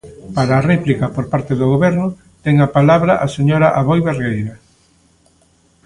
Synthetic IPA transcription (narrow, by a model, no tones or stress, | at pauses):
paɾaːrɛplikɐpoɾpaɾt̪eðoɣoβɛɾnʊ | t̪ɛŋɐpalaβɾɐʔaseɲoɾaʔaβojβeɾɣejɾɐ